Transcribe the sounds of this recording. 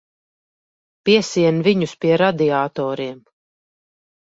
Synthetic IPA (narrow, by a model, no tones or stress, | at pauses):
pʲiɛsiɛnviɲuspiɛɾad̪iaːt̪ɔːɾiɛm